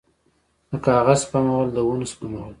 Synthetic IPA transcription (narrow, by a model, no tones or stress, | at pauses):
d̪əkɑɣazpamawəld̪əwunspamawəl